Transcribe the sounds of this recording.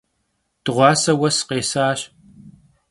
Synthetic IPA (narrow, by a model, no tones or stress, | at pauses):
d̥ɨʁʷɑːsɐwɐsqeːsaːɕ